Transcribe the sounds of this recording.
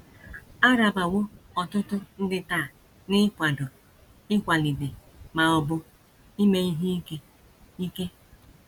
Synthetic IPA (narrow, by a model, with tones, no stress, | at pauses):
a˦ɾa˨ba˨wʊ˦ɔ˨tʊ˦tʊ˦n̩˦dɪ˦taː˦˨ | nɪ˦kʷa˨dʊ˨ | ɪ˦kʷa˨li˨bɪ˨ | ma˨ɔ˨bʊ˦ | i˦me˨i˦ɦi˦i˦ke˦ | i˦ke˦